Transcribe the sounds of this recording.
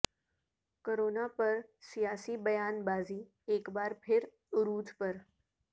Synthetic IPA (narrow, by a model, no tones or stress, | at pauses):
koɾoːnapəɾsijaːsibɐjaːnbaːziː | eːkbaːɾpʰɪɾ | ɾuːd̪pəɾ